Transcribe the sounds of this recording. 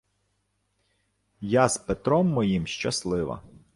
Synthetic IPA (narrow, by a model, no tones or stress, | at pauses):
jazpet̪ɾɔmːɔjimʃt͡ʃɐslˠɪʋɐ̰